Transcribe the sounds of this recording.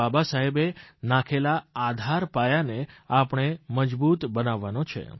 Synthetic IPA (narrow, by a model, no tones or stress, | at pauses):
abasaɦebenãkʰelaad̪ʱaɾpajaneapɳ̃eməd͡ʒbut̪bənaʋːanot͡ʃʰḛ